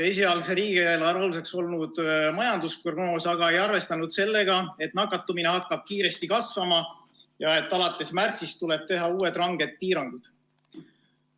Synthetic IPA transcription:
esiɑlkseɾiːɡ̥ielɑɾoluse̞kso̞lnud̪̥mɑjɑnd̪usproɡ̥no̞ːsɑɡ̥ɑe̞jɑrve̞st̪ɑnud̪̥se̞lːe̞ɡɑe̞t̪ˑnɑkːˑɑt̪ːˑumine̞ɦɑkːɑb̥̚kiːɾe̞st̪ikɑsvɑmɑ | jɑe̞t̪ːˑɑlɑt̪ːˑe̞smært̪sist̪ule̞b̥̚t̪e̞ɦɑuːe̞d̪rɑŋɡ̥e̞t̪̚piːɾɑŋɡ̥ud̪̥

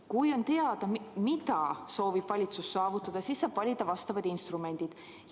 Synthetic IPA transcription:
kujo̞nt̪e̞ɑd̪̥ɑmid̪ɑso̞ːvib̥vɑlʲit̪susːɑːvut̪ːˑɑd̪̥ɑsisːɑːb̥vɑlʲid̪ɑvɑst̪ɑvɑd̪inst̪rume̞nʲd̪̥id̪̥

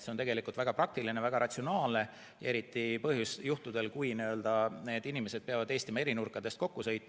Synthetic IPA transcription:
seot̪e̞ɡe̞likˑult̪væɡ̥ɑpɾɑk̚t̪ilinevæɡ̥ɑɾʔɑt̪ʲsio̞nɑːlne̞ | e̞ɾit̪ːˑipɤ̞ɦjusjuht̪ud̪e̞lkujniø̞ld̪̥ɑne̞ːd̪inime̞se̞d̪̚peɑvɑd̪e̞ːst̪imɑeɾinurkːˑɑd̪̥e̞st̪̚ko̞kːusɤ̞jt̪̚ːˑm

